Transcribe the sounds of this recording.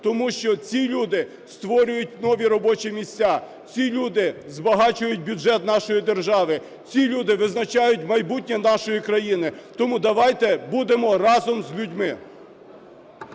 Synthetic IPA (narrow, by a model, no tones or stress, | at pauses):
t̪ɔmuʃt͡ʃɔt͡sʲilʲud̪ɪ | st̪ʋɔɾʲʊjʊt̚ʲnɔʋʲiɾɔbɔt͡ʃimʲisʲt͡sʲa | t͡sʲilʲud̪ɪzbɐɦɑt͡ʃʊjʊt̚ʲbʲjʊʒɛt̪nɑʃɔjid̪erʒɑʋɪ | t͡sʲilʲud̪ɪʋɪznɐt͡ʃɑjʊtʲmɐjbutʲnʲɛnɑʃɔjikɾɐjinɪt̪ɔmud̪ɐʋɑjt̪ɛbud̪emɔrɑzɔmzʲlʲudʲmɪ